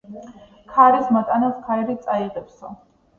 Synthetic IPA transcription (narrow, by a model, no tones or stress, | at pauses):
kʰaɾismat̪ʼanaskʰaɾɛɾit̪sʼaiʁɛpsɔ